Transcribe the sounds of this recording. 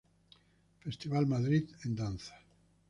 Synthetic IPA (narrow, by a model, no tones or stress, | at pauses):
fest̪iβalmaðɾiðend̪anθḁ